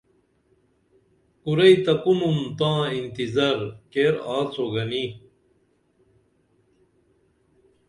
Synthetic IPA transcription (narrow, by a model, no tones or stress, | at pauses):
uɾɐit̪ɐkunumt̪ãːint̪izɐɾkeɾaːt͡soɡɐni